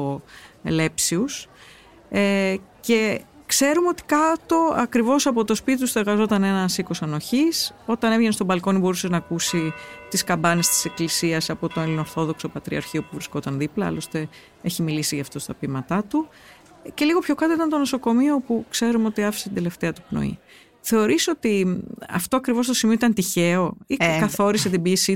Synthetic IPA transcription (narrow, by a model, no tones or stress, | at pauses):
ole̞psius | ece̞ | kse̞ɾumeo̞t̪i̥kɐt̪o̞ɐkɾivo̞sɐpo̞t̪o̞spit̪it̪ust̪oe̞ɾɣɐzo̞t̪ɐne̞nɐsiko̞sɐno̞çiso̞t̪ɐnevʝenst̪obɐlko̞nibo̞ɾuseznɐkusit̪iskɐmbɐnest̪i̥se̞klisiɐsɐpo̞t̪oelino̞ɾθo̞ðo̞kso̞pɐt̪ɾiɐ̰ɾçio̞puvɾisko̞t̪ɐnðiplɐɐ̰lo̞st̪e̞ | eçimilisiʝɐft̪o̞st̪ɐpimɐt̪ɐt̪u | ce̞liɣo̞pço̞kɐt̪oit̪ɐnt̪o̞no̞so̞ko̞mio̞pukse̞ɾumeo̞t̪iɐfi̥set̪nd̪e̞le̞ft̪e̞ɐt̪upno̞̰ḭ | θe̞o̞ɾiso̞t̪iɐ̰ft̪o̞ɐkɾivo̞st̪o̞simioit̪ɐnt̪içe̞o̞ikɐθo̞ɾiset̪ibisi